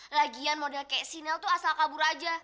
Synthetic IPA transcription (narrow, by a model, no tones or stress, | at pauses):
laɡianmodɛlkajaʔsinalt̪uasalkabuɾad͡ʒa